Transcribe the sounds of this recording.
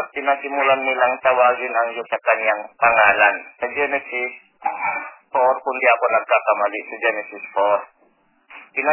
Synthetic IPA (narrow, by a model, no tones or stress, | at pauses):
p̪ɪnasɪmulanːɪlaŋt̪ɐwaːɡɪnɐŋjosɐkɐɲjaŋpɐŋaːlansɐd͡ʒɛnɛsɪs | foɾkʊnd̪iʔɐkonɐɡ̚kakɐmalɪʔsɐd͡ʒɛnɛsɪsfoɾ | pɪna